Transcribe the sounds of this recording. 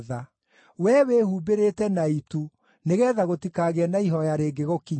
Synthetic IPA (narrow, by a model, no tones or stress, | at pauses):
ða | wɛwehuːbeɾetɛnaitu | neɣɛːðaɣotikaɣeɛnaiɦɔjaɾeːɡeɣokiɲ